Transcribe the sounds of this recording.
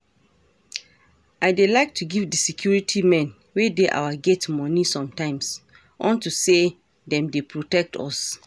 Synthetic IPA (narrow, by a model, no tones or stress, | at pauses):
aɪdelaɪk̚tʰuɡivdisikʰjuɹitʰimɛ̃n | wedeʔa̰waɡɛtmɔ̃nisɔ̃mtãɪ̃ms | ʔɔ̃ntuse | dɛ̃mdepʰɹotɛk̚tʰɔ̰s